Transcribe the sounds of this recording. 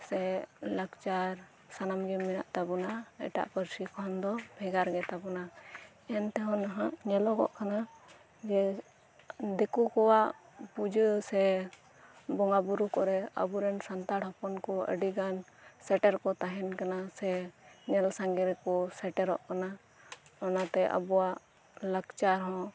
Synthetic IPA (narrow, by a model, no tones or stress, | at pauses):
sɛləkt͡ʃaɾ | sanamɡɛmːina̰ʔt̪abɔnaɛ̰ʈa̰ʔpəɾsikɔɔnd̪ɔbʱɛɡaɾɡɛt̪abɔna | ɛnt̪ɛɦɔnaɦaʔɲɛlɔkɔ̰ʔkana | d͡ʒɛ | d̪ɛkɔkɔwaʔ | pud͡ʒəsɛ | bɔŋabuɾukɔɾɛə̰buɾɛnsant̪aɽɦɔpɔnkɔə̰ɖiɡansɛʈɛɾkɔt̪aɦɛnkanasɛɲɛlsaŋɡɛɾɛkɔsɛʈɛɾɔ̰ʔkana | ɔnat̪ɛʔə̰buwaʔ | ləkt͡ʃaɾɦɔ̃